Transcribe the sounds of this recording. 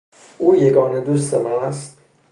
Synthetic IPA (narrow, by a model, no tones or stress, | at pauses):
ʔuːjeɡɒːned̪ust̪emææst̪